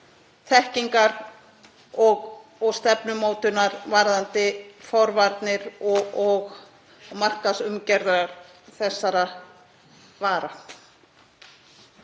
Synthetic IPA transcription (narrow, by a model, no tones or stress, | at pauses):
θɛhciŋkaɾ | ɔɣɔɣst̪ɛpnʏmoːwt̪ʏnaɾvaɾðant̪ɪfɔwɾvaɾt̪nɪɾɔɔɣ | mar̥kasʏmcɛɾðaɾaɾ̥ | θɛsːaɾa | vaːɾa